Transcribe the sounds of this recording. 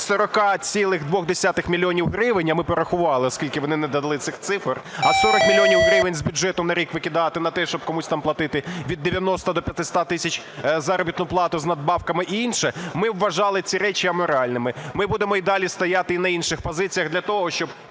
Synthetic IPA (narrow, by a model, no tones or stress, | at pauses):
sɔɾɔkɑt͡sʲilˠɪɣd̪ʋɔɣd̪esʲat̪ɪxmʲilʲijɔnʲiwɦɾɪʋɪnʲɐmɪpɔɾɐxʊʋɑlˠɪɔskʲilʲkɪʋɔnɪnɛd̪ɐd̪ɐlˠɪt̪sɪxt̪sɪfɐrɐsɔɾɔkmʲilʲjɔnʲiwɦɾɪʋɪnʲzbʲʊd͡ʒɛt̪ʊnɐɾʲikʋɪkʲɪd̪ɑt̪ɪnɐt̪ɛʃt͡ʃɔb̚kɔmusʲt̪ɑmplˠɐt̪ɪt̪ɪʋʲid̪ːeʋʲjɐnɔst̪ɐd̪ɔpʲjɐt̪ɪsʲt̪at̪ɪsʲɐt͡ʃʲ | zɑɾɔbʲit̪nʊplˠɑt̪ʊznɐd̪̚bɑwkɐmɪʔinʃɛmɪwːɐʒɑlˠɪt͡sʲiɾɛt͡ʃiɐmɔɾɑlʲnɪmɪmɪbud̪emɔid̪ɑlʲist̪ɐjat̪ɪinɐinʃɪxpɔzɪt͡sʲijɐɣd̪lʲɐt̪ɔɦɔʃt͡ʃɔb̚